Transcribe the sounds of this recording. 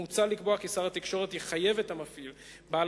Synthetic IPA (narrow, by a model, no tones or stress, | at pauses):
ut͡salikboakisaʁat̪ikʃo̞ʁet̪iχaje̞vethamafil | baːl